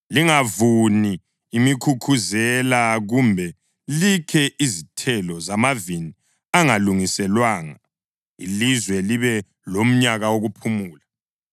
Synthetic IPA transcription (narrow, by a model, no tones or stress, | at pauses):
liŋavuniː | mikʰukʰuzɛlaɣumbʱɛ | likʰɛʔizitʰɛlɔzamavini | aŋaluŋisɛlwaːŋa | ḭlizwɛliβɛ | lom̩ɲaɣawoɣupʰumuːla